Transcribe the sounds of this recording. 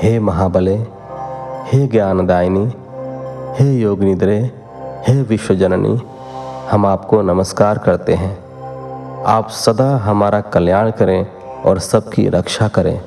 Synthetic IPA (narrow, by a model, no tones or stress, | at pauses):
heːmɐɦaːbəle | heːɡjaːnd̪aːjni | heːjoːɡnɪd̪ɾe | heːʋɪʃwəd͡ʒənnʔḭ | hɐmaːpkonɐməskaːɾkɐɾt̪eɦɛ̃ː | a̰ːpsɐd̪aɦɐmaːɾakɐljaːɽ̃kɐɾẽ | ɔ̰ːɾsɐb̚kḭɾɐkʃakɐɾḛ̃ː